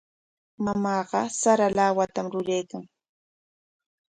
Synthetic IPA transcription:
mamɑːɢɑsaɾalawat̪amɾʊɾajkaŋ

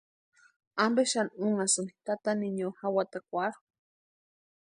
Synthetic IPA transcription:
ambeʃanuŋasɨnit̪at̪aniɲohawat̪akʷaɾ

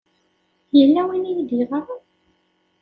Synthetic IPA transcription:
jəlːæwinijd̪iʁə

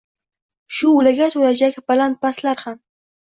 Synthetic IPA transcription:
ʃʊʊlaɡʲat̪ʰolad͡ʒakʲbalant̪̚paslaɾham

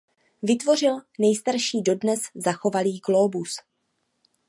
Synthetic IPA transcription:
vɪt̪vo̞r̝ɪlnɛjst̪aɾʃiːdo̞dnɛszaxo̞valiːɡlo̞ːbus

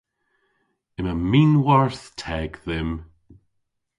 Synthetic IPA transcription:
ɪməmiːnwaɹθtʰɛːɡðɪm

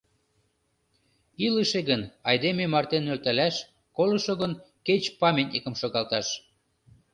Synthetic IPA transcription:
iləʃeɣənɑjd̪ememɑrt̪enːølt̪ælæʃ | kolɤ̆ʃoɣənket͡ɕpɑmʲenʲekə̆mʃoɣɑlt̪ɑʃ

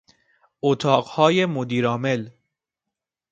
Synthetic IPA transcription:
ot̪ʰɒːɢhɒːjemod̪iːɾɒːmel

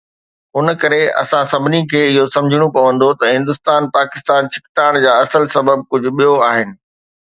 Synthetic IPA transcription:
ɦʊnkɐɾeɐ̰sãsɐbʱɪnikʰeːɪɦosɐ̃md͡ʑʱɪɽ̃opɐʋə̃nd̪ot̪ɐɦɪ̃nd̪ʊst̪aːnpaːkɪst̪aːnt͡ɕɪkt̪aːɪɽ̃d͡ʑaːɐsəlsɐbəb̚kʊd͡ʑʱʊ̆ɓijoaːɦɪnɪ̆

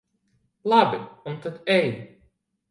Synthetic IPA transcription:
lˠabiunt̪at̪ɛjd̪

